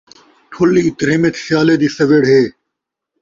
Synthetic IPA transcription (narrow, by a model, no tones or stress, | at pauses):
ʈʰʊliːt̪ɾiːmet̪ʰsɪjaːled̪iːsɐʋeɽɦeː